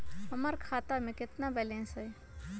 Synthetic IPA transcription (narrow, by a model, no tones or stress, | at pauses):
ɦəməɾkʰaːt̪amẽkɪt̪nabɛlẽːnsəj